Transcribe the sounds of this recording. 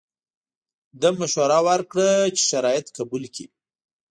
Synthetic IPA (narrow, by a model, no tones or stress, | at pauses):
d̪əmaʃoɾɑwaɾkɽət͡ʃe̥ʃaɾɑjɪt̪kabulki